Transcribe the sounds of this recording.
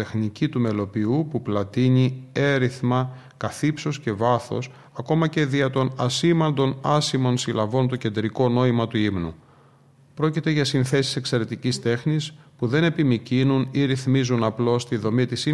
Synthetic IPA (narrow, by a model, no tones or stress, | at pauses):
exnicit̪ume̞lo̞piupuplɐt̪iɲie̞ɾiθmɐ | kɐθipso̞sce̞vɐθo̞̰s | ɐko̞mɐce̞ðiɐt̪o̞nɐsimɐnd̪o̞nɐsimo̞nsilɐvo̞nt̪o̞ce̞nd̪ɾiko̞no̞imɐt̪uimnṵ | pɾo̞cit̪e̞ʝɐsinθe̞si̥se̞kse̞ɾe̞t̪icist̪e̞xnispuðe̞ne̞pimicinuniɾiθmizunɐplo̞st̪iðo̞mit̪isi